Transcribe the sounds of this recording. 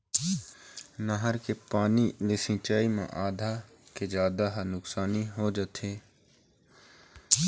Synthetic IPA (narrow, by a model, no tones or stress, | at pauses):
nəɦəɾkepaːnilɪsɪ̃t͡ʃaːimã̰ʔaːd̪ʱa | ked͡ʒaːd̪aɦnʊksaːniɦod͡ʒət̪ʰeː